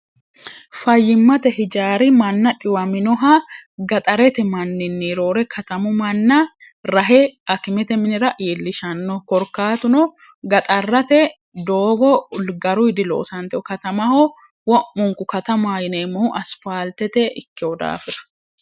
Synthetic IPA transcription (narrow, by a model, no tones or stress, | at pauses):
fɐjːɪmːɐt̪ɛɦɪd͡ʒaːɾɪmɐnːɐᶑɪwɐmɪnɔɦɐɡɐt̪ʼɐɾɛt̪ɛmɐnːɪnːiɾo̞ːɾɛkʰɐt̪ɐmʊmɐnːɐ | ɾɐɦɛɐkɪmɛt̪ɛmɪnɪɾɐʔiːlːɪʃɐnːɔkɔɾkaːt̪ʊnɔ | ɡɐt̪ʼɐrːɐt̪ɛ | d̪oːbɔʊlɡɐɾʊhɪd̪ɪlo̰ːsɐnt̪ɛʔɔkɐt̪ɐmɐhɔ | wɔʔːʊŋkʊkɐt̪ɐmaːjɪneːmɔhʊʔɐsfaːlt̪ɛt̪ɛʔɪkːɪɔd̪a̰ːfɪd̪ɐ̥